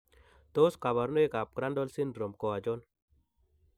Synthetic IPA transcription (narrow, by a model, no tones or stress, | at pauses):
t̪oskaβɐɾnoekap̚ɡɾanɖolsinɖɾomkoad͡ʒon